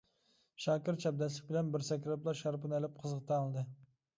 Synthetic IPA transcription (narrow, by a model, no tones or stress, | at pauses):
ʃɑːkʲɪɾt͡ʃʰɛb̚d̪ɛslɪk̚ʲbɪlɛnbɪɾsɛkʲɾɨplˠɑɾʃɑɾpɨnælɪp̚qʰəzəqt̪ʰɑɑlˠd̪ɨ